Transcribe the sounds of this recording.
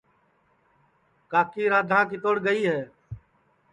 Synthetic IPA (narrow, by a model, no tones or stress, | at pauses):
kaːkiːɾaːd̪ʱãːkɪt̪oːɽɡəiːɦɛː